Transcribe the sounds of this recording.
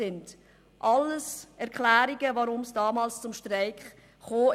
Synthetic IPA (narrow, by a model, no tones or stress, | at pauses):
ɪnd̥ | ʔɑlːəsɛɾkʰlæːɾiɡəvaɾʊmsd̥ɑːmɑːlst͡sʊmʃtɾaɪkχ | χoː